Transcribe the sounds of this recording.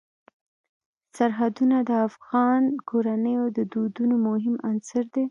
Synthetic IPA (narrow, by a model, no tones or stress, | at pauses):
saɾɦad̪unad̪əafɣɑnkoɾanəjod̪əd̪od̪unomʊɦɪmansəɾd̪e